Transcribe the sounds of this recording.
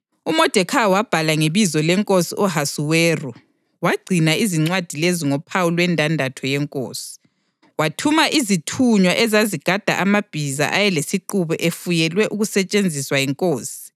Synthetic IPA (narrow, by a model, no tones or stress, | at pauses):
umɔd̥ʱɛkʰawab̥ʱalaŋeβizɔlɛŋkʼosiʔɔɦasuwɛːru | waɡ͡ǀʱinaiziŋ͡ǀwad̥ʱileziŋɔpʰawulwɛndʱandʱatʰɔjɛŋkʼo̰ːsi̥ | watʰumaʔizitʰuɲwaʔɛzaziɡ̥ʱad̥ʱa̰ʔamab̥ʱiza̰ʔajɛlesiǃuβɛʔefujɛlwɛʔuɣusɛt͡ʃʼend͡zʱiswajɛŋkʼoːsi̥